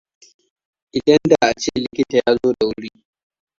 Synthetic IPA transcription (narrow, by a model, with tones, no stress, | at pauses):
ʔɪ˨dɐ˦nda˨ʔa˨t͡ʃeː˦˨lɪ˦kʲɪ˦ta˨jaː˦zoː˦da˨wʊ˦ʊ˦ɽiː˦